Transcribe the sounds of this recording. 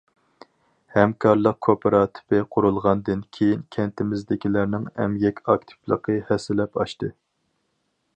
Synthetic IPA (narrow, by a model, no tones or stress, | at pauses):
hɛmkʰɑɾlˠəq̚kʰopʰeɾɑt̪ʰɪ̥pɪqʰʊɾulˠʁɑnd̪ɨnkʲʰejinkʲʰɛnt̪ʰɪmɪzd̪ɪkʲilæɾnɪŋɛ̰mjɛkʲʰɑk̚t̪ʰɪ̥plˠə̰qʰɨhɛsɪlɛpɑ̰ʃt̪ɨ